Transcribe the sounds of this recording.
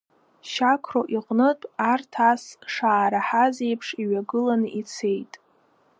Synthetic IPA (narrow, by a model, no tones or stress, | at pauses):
ʃakʷʰroʔiqʼnɨtʼartʰasʂaːɾaħazejpʰʂiɥaɡɨlanɨit͡sʰe̞jtʼ